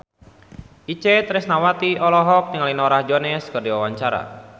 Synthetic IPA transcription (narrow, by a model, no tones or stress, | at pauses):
it͡ʃɛt̪ɾɪsnawat̪iɔlɔɦɔk̚nəŋalinɔɾahd͡ʒɔnɛskɨrdiwawaɲt͡ʃaɾa̰